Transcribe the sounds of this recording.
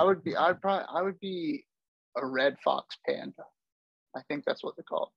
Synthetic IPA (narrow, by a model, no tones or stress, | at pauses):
aɪwɨd̚biʔaɪd̚pʰɹ̥ɑʔa̰ɪwɨd̚bi | əɹɛd̥fɑ̰kspʰæ̰̃nd | aɪθɪ̃ŋk̚ðæ̰tswʌt̪̚ðɨkʰɔ̰lˠ